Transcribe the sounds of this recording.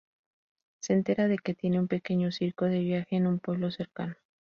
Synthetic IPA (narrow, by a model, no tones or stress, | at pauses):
se̞ːnt̪e̞ɾaðe̞ke̞t̪je̞ne̞umpe̞ke̞ɲo̞siɾkoðe̞βjaxe̞ːnumpwe̞β̞lo̞se̞ɾkano